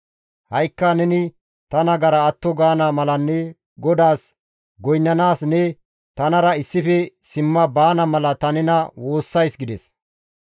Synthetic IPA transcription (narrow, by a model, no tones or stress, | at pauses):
hɐjkːɐnɛnɪ | t̪ɐnɐɡɐɾɐɐt̪ːɔɡaːnaːmɐlɐnːɛ | ɡɔd̪aːs | ɡɔjnːɐnaːsnɛ | t̪ɐnɐɾɐɪsːɪfɛsɪmːɐbaːnɐmɐlɐt̪ɐnɪnɐwo̞ːsːɐjsɡɪd̪ɛs